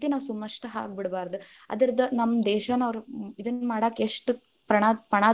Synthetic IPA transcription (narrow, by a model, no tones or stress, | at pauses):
t̪inaːʋsumːɐʂʈɐɦa̰ːɡ̚biɽbaːɾd̪uɐ̰d̪ɐɾid̪ɐnɐmːɐd̪ɛːʃɐnɐʋɾuid̪ɐnmaːɽaːkːeʂʈu | pɾɐɳaːpɾɐɳaː